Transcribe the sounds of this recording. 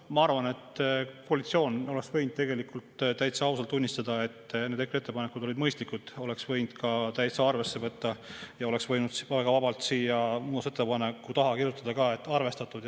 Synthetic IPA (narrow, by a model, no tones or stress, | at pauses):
mɑɑrvɑne̞t̪ːkoɑlit̪sio̞ːno̞le̞ksvɤ̞jnd̪̥̚t̪e̞ɡ̥e̞likult̪t̪æjt̪seɑwsɑlt̪ːunʲːist̪ɑd̪̥ɑe̞t̪ːned̪ekɾet̪ːe̞pɑnekːˑud̪̥o̞lid̪mɤjst̪likud̪̥o̞le̞ksvɤ̞jnd̪̥̚kɑt̪æjt̪seɑrve̞sːe̞vɤt̪ːɑjɑo̞le̞ksvɤjnud̪̥sæɡ̥ɑvɑbɑlt̪siːjɑmuːd̪ɑset̪ːepɑnekːˑut̪ɑɦɑkirjut̪ːˑɑd̪̥ɑkɑːe̞t̪ːˑɑrve̞st̪ɑt̪ːˑud̪̥